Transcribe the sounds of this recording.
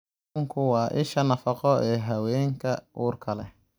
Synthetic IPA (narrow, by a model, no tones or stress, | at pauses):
ŋkʰʊwɑːʔɪʃɐnɐfɐqɔʔɛːɦɐwɛːŋkʰɐuːrkʰɐlɛ